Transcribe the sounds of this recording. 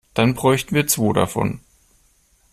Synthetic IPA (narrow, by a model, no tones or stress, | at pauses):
d̥anbʁɔʏçtn̩viːɐt͡sv̥oːɾa̰fɔ̰n